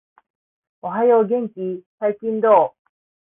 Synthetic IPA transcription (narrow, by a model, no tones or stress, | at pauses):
oɦajoːɡẽ̞ŋkʲisaikʲĩnd̪oː